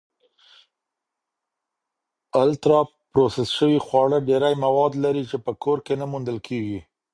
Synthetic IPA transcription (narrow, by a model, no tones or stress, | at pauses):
alt̪ɾɑ | pɾosesʃəwixwɑɽəɖeɾajmawɑd̪laɾit͡ʃepəkoɾkenamund̪əlkʰeɡi